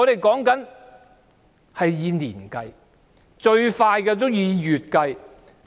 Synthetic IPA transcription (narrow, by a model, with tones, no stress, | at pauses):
ɔ˨˧ɾe˨jkɔː˨˥ŋkɐ˨˥n | hɐ˨jjiː˨˧niː˨˩nkɐ˧j | t͡ʃɵ˧ɥfaː˧jkɛː˧t̪̬o˥wjiː˨˧jyː˨t̚kɐ˧j